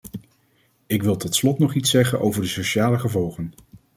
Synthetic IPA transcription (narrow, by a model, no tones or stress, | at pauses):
ɪkʋɪlˠtɔtslɔtnɔχitsɛχənʔo̰wvəɹdəsoʃaːləχəvɔlˠχən